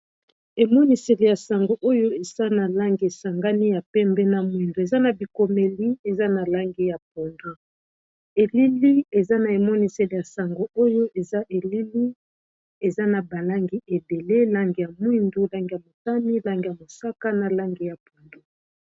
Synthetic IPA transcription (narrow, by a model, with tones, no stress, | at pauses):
e˨mɔ˦ni˨se˨le˨ja˨sa˨ŋɡo˨ʔo˦jo˦e˨sa˦na˨la˦ŋɡi˨e˨sa˨ŋɡa˦ni˦ja˨pɛ˦mbɛ˦na˨mwi˨ndo˨e˨za˦na˨bi˨ko˨me˨li˦e˨za˦na˨la˦ŋɡi˨ja˨p̚o˨ndo˦ | e˨li˦li˦e˨za˦na˨e˨mɔ˦ni˨se˨le˨ja˨sa˨ŋɡo˨o˦jo˦ʔe˨za˦ʔe˨li˦li˦ | e˨za˦na˨ba˨la˦ŋɡi˨˦ʔe˨be˨le˦la˦ŋɡi˨ja˨mwi˦ndu˦la˦ŋɡi˨ja˨mo˨ta˦ni˦la˦ŋɡi˨ja˨mo˨sa˦ka˦na˨la˦ŋɡi˨ja˨po˨ndo˦˨